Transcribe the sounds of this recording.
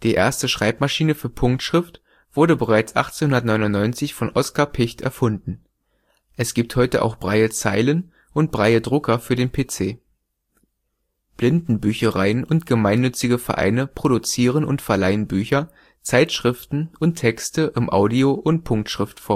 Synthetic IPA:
d̥iːʔḛːɐstəʃʁ̥aɪpmaʃiːnəfyːɐpʰʊŋk̚tʃʁ̥ɪft | v̥ʊɐɾəbəʁ̞aɪt͡sʔa̰χt͡senhʊndɐt̬nɔʏnʊnːɔʏnt͡sɪçfɔnʔɔskapʰɪçtɛ̰ɐfʊndn̩ | ʔɛsɡ̥iːp̚thɔʏtəʔa̰ʊxb̥ʁaɪət͡saɪlən | ʔʊnt̚b̥ʁaɪədʁʊkɐfyːɐɾeːnpʰeːt͡seː | b̥lɪndn̩byːçəʁaɪənʊntɡ̥əmaɪnːʏt͡sɪɡəfɛɐʔa̰ɪnəpʁ̥oɾut͡siːʁ̞ənʊ̰ntfɛɐlaɪənbyːçɐ | t͡saɪtʃʁ̥ɪftn̩ʔʊntʰːɛkstəʔɪmʔa̰ʊdioʔʊnt̚pʰʊŋk̚tʃʁ̥ɪftfoːɐ

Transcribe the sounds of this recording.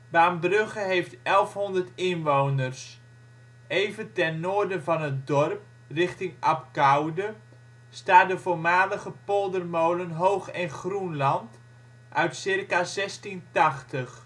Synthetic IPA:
baːmbrøχəɦejftɛlˠfɦɔndərtɪnʋownərs | ejvəntɛnːoːrdənvɑnɦətdɔrp̚ | rɪχtɪŋʔɑpkawdə | staːdəvoːɹmaːləɣəpolˠdərmowlənɦowχɛnχrunlɑnt | ʔœɥtsɪrkazɛstintɑχtəχ

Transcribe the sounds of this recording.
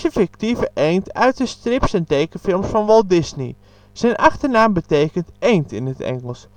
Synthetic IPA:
əfɪktivəʔejntœ̰ɥt̚dəstrɪpsɛntejkəfɪlˠmsfɑnʋɔlˠdɪznḭ | z̥ɛjnʔɑxtəɹnaːmbətejkəntejntɪnətɛ̰ŋəlˠs

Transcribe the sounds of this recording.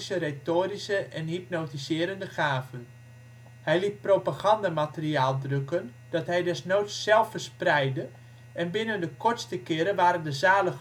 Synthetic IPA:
səretoːɾisəʔɛnhip̚notisɪːɾəndəχaːvən | hɛjlit̚propaɣɑndamatəriaːlˠdrøkən | d̥ɔtɦɛjdɛsnoːtssɛlˠfərsprɛjdə | ɛnbɪnəndəkʰɔrtstəkɪəɾəʋaːɾəndəzaːlə

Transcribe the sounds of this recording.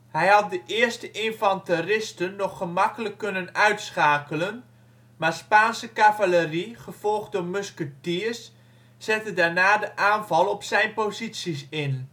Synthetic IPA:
hɛjɦɑt̚dəʔɪərstəʔɪnvɑntərɪstənːɔχːəmɑkələkːɵnənœɥtsχaːkələn | maːɹspaːnsəkavaləriχəv̥ɔlˠχdomøskətiəsː | ɛtədaːɹnaːdəʔaːnvɑlˠɔpsɛjnpozitsisɪn

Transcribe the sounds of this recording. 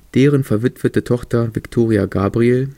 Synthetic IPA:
d̥eːʁənfɛɐvɪtv̥ətətʰɔχtɐvɪktʰoːʁiaɡaːbʁiel

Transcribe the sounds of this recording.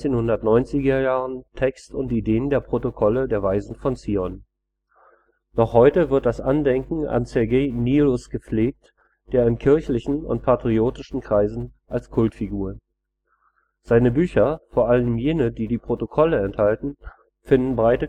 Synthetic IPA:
t͡seːnhʊndɐtnɔʏnt͡sɪɡɐjaːʁəntʰɛkstʊntideːəndeːɐpʁ̥otokʰɔlədeːɐvaɪzn̩fɔnt͡siːɔn | nɔχhɔʏtəvɪɐt̚d̥asʔandɛŋkŋ̩a̰nsɛɐɡeːnilʊsɡ̥əp͡fleːk̚t | d̥eːɐɪnkʰɪɐçlɪçn̩ʊ̰nt̚pʰatʁ̥ioːtɪʃn̩kʁ̥aɪzn̩ʔalskʰʊltfiɡuːʁən | z̥aɪnəbyːçɐfoːɐʔalənmjeːnədiːdiːpʁ̥otokʰɔləɛnthaltn̩ | fɪndn̩bʁaɪtə

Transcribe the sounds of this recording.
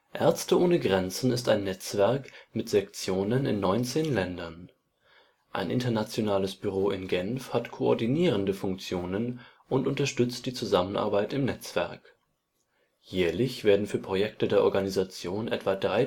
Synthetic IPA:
ʔɛɐt͡stəʔoːnəɡʁɛnt͡sn̩ɪstaɪnːɛt͡sv̥ɛɐkmɪtz̥ɛkt͡sjoːnənɪ̰nːɔʏnt͡seːnlɛndɐn | ʔa̰ɪnʔɪ̰ntɐnat͡sjonaːləsb̥yʁ̞oːɪnɡɛnfhatkʰoɔɐdiniːʁ̞əndəfʊŋk̚t͡sjoːnən | ʔʊntʊntɐʃtʏt͡st̚d̥iːt͡suzamənʔa̰ɐbaɪtɪmnɛt͡sv̥ɛ̰ɐk | jɛːɐlɪçv̥eːɐdn̩fyːɐpʁ̥ojɛktədeːɐʔɔ̰ɐɡanizat͡sjoːnʔɛ̰tv̥adʁaɪ

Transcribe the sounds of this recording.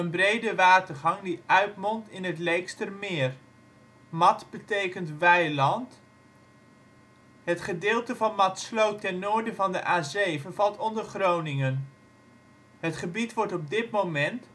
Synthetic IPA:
ənbrejdəʋaːtəɹχɑŋdiʔœɥtmɔntɪnɦətlejkstərmɪːr | mɑtbətejkəntʋɛjlɑnt | ɦətχədɪːlˠtəvɑnmɑtslowtɛnːʊːɹdəvɑndəʔaːzejvənvɑlˠtɔndəɹχrownɪŋən | ɦətχəbitʋɔɹtɔb̚dɪtmowmɛnt

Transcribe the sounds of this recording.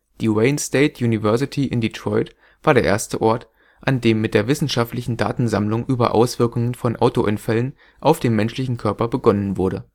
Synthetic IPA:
d̥iːʁeɪnsteɪtʰjuːnivɛɐsɪtʰiʔɪ̰nditʁ̥ɔʏt | v̥aːɐɾeːɐʔḛːɐstəʔɔɐt | ʔandeːmːɪt̚d̥eːɐvɪsn̩ʃaftlɪçn̩da̰ːtn̩zamlʊŋʔyːbɐ̰ʔa̰ʊsv̥ɪɐkʊŋənfɔnʔaʊtoʔɪnfɛlən | ʔaʊfd̥eːnmɛnʃlɪçn̩kʰœɐpɐbəɡɔnənvʊɐɾə

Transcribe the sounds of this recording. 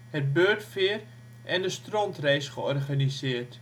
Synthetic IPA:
hət̚bøːtfɪər | ʔɛndəstrɔntrejsχəɔrχanisɪːərt

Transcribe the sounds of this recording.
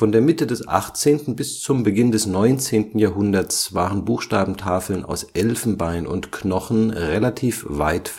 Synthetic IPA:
fɔndeːɐmɪtədɛsʔa̰χt͡seːntn̩bɪst͡sʊmbəɡɪndɛsnɔʏnt͡seːntn̩jaːɐɦʊndɐsv̥aːʁənbuːxʃtaːbm̩tʰaːfl̩na̰ʊsʔɛlfn̩baɪnʔʊ̰ntkʰnɔχn̩ʁelatʰiːfva̰ɪt

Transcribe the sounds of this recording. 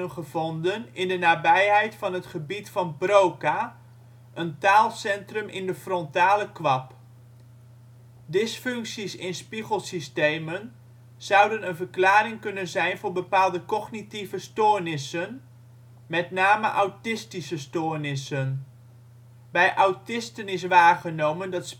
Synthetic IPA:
ənχəv̥ɔndənɪndənaːbɛjɦɛjtfɑnɦətχəbitfɑnbrowka | ʔəntaːlˠsɛntrəmʔɪ̰ndəfrɔntaːləkʋɑp | dɪsfɵŋksisɪnspiχəlˠsistejmən | z̥ʌwdənənvərklaːrɪŋkɵnənzɛjnvʊːɹbəpaːlˠdəkɔχnitivəstoːɹnɪsən | mɛtnaːməʔawtɪstisəstoːrnɪsən | bɛjʔawtɪstənɪs̬ʋaːχənowməndɑts

